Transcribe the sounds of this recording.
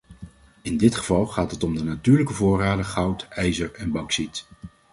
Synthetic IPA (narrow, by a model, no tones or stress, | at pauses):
ɪndɪtχəvɑlˠχaːtɦətɔmdənatyːɹləkəvʊːraːdəχɑwtɛjzəɹɛnbɑksit